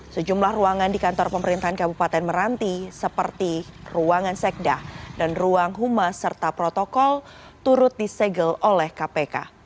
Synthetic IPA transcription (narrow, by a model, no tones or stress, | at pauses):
səd͡ʒumlahruaŋandikant̪ɔrpəməɾint̪aɦankabupat̪ɛnməɾant̪isəpərt̪iruaŋansɛk̚dadanruaŋɦumasərt̪apɾot̪ɔkɔl | t̪uɾʊt̪̚disɛɡəlolɛhkapeka̰